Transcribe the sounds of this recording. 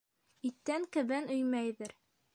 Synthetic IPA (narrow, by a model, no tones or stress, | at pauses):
it̪ːæŋkɘ̆βɘnɵjmæjðɘɾ